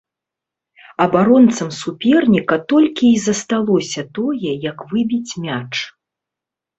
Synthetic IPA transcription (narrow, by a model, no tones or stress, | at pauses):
ɐbaɾɔnt̪sɐmsupʲɛrnʲikɐt̪ɔlʲkʲiːzɐst̪alˠɔsʲɐt̪ɔjɛjɐkvɨbʲit͡sʲmʲat͡ʂ